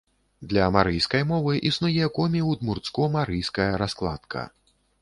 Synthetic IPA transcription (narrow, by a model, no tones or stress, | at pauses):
d̪lʲɐmaɾɨjskɐjmɔvɨʔisnujɛkɔmʲiwd̪murt̪skumaɾɨjskɐjɐɾasklˠa̰t̪kʰɐ̰